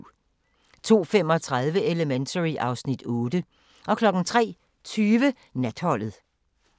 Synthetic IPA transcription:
t͡sʰo̝̰ːfem̰ɒ̽t͡sʰʁað̞ˠʋəe̝ləment͡sʰəʁiʔɑ̈ʊsnid̥ɔ̽ːd̥ə | ʔɒ̽kʰlɒ̽ɡ̥n̩t͡sʰʁɛ̰ː | t͡sʰyːʋə | næd̥hɒ̽l̰ð̩ˠ

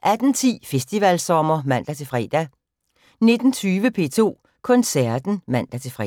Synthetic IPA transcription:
ʔæd̥n̩t͡sʰḭːfesd̥iʋælsɒ̽mɐmæn̰d̥æt͡sʰe̝fʁɛ̰ːd̥æ | ne̝d̥n̩t͡sʰyːʋəpʰe̝̰ːt͡sʰo̝̰ː | kʰɒ̽nsæɐd̥n̩mæn̰d̥æt͡sʰe̝fʁɛ̰

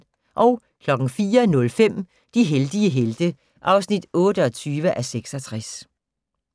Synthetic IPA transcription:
ʔɒ̽ʊ | kʰlɒ̽ɡ̥ŋ̩fiːɐnɔ̽lfem̰ | d̥iɦeld̥iəɦeld̥ə | ʔɑ̈ʊsnid̥ɔ̽ːɾ̥əɒt͡sʰyːʋəʔæseɡ̥sɒt͡sʰʁas

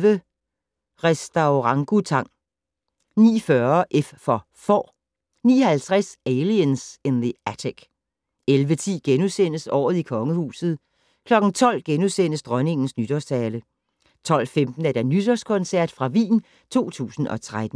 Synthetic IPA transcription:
ʋə | ʁɛsd̥ɑ̈ʊʁɑ̈ŋɡ̥ut͡sʰɑ̈ŋ̰ | nḭːfɶɐʔeffɒ̽ | fɒ̰ː | niːhælt͡sʰʁasɛliənsenðəæt͡sʰeɡ̥ | elʋət͡sʰḭːɡ̥enusen̰əsɒ̰ːð̞̩ˠikʰɒ̽ŋəhṵːsð̞̩ˠ | kʰlɒ̽ɡ̥n̩t͡sʰɒ̽l̰ɡ̥enusen̰əsd̥ʁɶne̝ŋn̩snyd̥ɒst͡sʰɛːlə | t͡sʰɒ̽l̰femd̥n̩æɐd̥ænyd̥ɒskʰɒ̽nsæɐ̰d̥fʁɑ̈ʋḭːn | t͡sʰo̝̰ːt͡sʰṵːsn̩ʔɒ̽t͡sʰʁad̥n̩

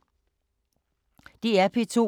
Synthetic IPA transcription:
d̥iæpʰit͡sʰo̝̰

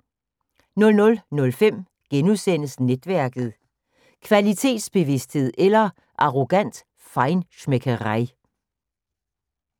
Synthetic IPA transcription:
nɔ̽lnɔ̽lnɔ̽lfem̰ | ɡ̥enusen̰əsned̥ʋæɐɡ̥ð̩ˠ | kʰʋælit͡sʰe̝̰ːd̥sb̥e̝ʋe̝sd̥he̝ð̰ˠelɐ | ʔɑ̈ʁo̝ɡ̥æn̰d̥ | fɑ̈ɪnɕmekʰəʁɑ̈ɪ̰

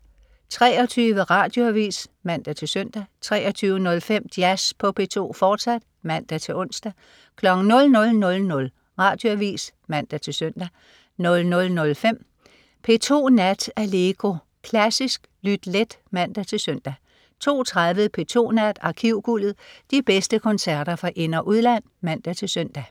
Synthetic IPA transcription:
t͡sʰʁɛːɒ̽t͡sʰyːʋəʁɑ̈ːd̥jo̝æʋḭːsmæn̰d̥æt͡sʰe̝lsøn̰d̥æt͡sʰʁɛ̰ːɒt͡sʰyːʊənɔ̽lfem̰d̥jæspʰɒ̽pʰe̝̰ːt͡sʰo̝̰ːfɒːd̥sæd̥ | mæn̰d̥æt͡sʰe̝lɔ̽n̰sd̥æ | kʰlɒ̽ɡ̥n̩nɔ̽lnɔ̽lnɔ̽lnɔ̽l | ʁɑ̈ːd̥jo̝æʋḭːs | mæn̰d̥æt͡sʰe̝lsøn̰d̥æ | nɔ̽lnɔ̽lnɔ̽lfem̰ | pʰe̝̰ːt͡sʰo̝̰ːnæd̥æle̝ːɡ̥o̝ | kʰlæsisɡ̥lyd̥led̥mæn̰d̥æt͡sʰe̝lsøn̰d̥æ | t͡sʰo̝̰ːt͡sʰʁaðˠʋəðˠpʰe̝̰ːt͡sʰo̝̰ːnæd̥ɑ̈kʰiʊ̰ɡ̥ulð̩ˠd̥ib̥esd̥əkʰɒ̽nsæɐ̰ɾ̥ɐfʁɑ̈ʔe̝nɐʔuð̞ˠlæn̰mæn̰d̥æt͡sʰe̝lsœn̰d̥æ

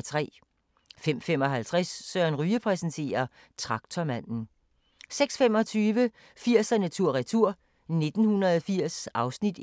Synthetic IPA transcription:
t͡sʰʁɛ̰ː | fem̰fem̰ɒ̽ɦælt͡sʰʁɛsːɶɐnʁyːəpʰʁɛsn̩t͡sʰe̝̰ːɐ | t͡sʰʁɑ̈ɡ̥t͡sʰɒmæn̰n̩ | seɡ̥sfem̰ɒ̽t͡sʰyːʋə | fiɐ̰sænæt͡sʰuɐ̰ʁɛt͡sʰuɐ̰ | ne̝d̥n̩hunʁɐðˠɒfiɐ̰sɑ̈ʊsnid̥

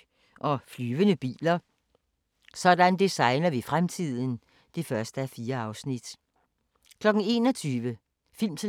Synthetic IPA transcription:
ʔɒ̽flyːʋənəb̥ḭːlɐ | sɒ̽d̥ænd̥isɑ̈ɪnɐʋifʁamt͡sʰið̰ˠn̩ | d̥e̝fɶɐsd̥əæfiːɐɑ̈ʊsnid̥ | kʰlɒ̽ɡ̥n̩e̝ːnɒt͡sʰyːʋə | fil̰mt͡sʰe

